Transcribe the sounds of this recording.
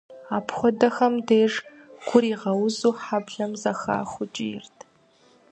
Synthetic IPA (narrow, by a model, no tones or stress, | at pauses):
aːpʰχʷɔdɐxɐmdeːʐ | ɡ̥ʷʊɾiːʁɐwʊzuːħabɮɐmzɐxa̰ːχʷʊt͡ʃʼɪjɪ̰rtʰ